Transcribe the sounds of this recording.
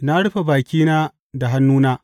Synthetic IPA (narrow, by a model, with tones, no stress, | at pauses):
na˦ɽʊ˦ɸe˨baː˨kʲiː˦naː˦ | da˨ɦa˦nːuː˦naː˦